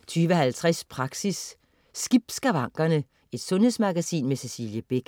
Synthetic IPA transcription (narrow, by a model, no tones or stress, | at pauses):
t͡sʰyːʋəhælt͡sʰʁɛspʰʁɑ̈ɡ̥sisː | ɡ̥ib̥sɡ̥æʋɑ̈ŋ̰ɡ̥ɐnə | e̝d̥sɔ̽nhe̝smɑ̈ɡ̥æsḭːnmese̝siːljəb̥e̝ɡ̥